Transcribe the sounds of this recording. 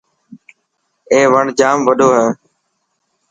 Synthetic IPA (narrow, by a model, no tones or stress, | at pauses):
ẽːʋəɳd͡ʒaːmʋəɗʱoːɦɛː